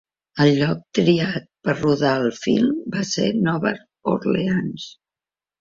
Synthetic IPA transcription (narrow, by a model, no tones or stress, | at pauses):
əlʎːɔk̚t̪ɾiat̪̚pəɾruðaəlˠfḭlˠmbasenɔβə̰ɾ | ṵɾleans